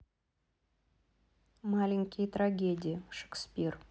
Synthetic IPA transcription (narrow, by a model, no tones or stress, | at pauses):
malʲɪŋʲkʲɪjət̪raɡʲedʲɪjɪʂe̥ksʲpʲir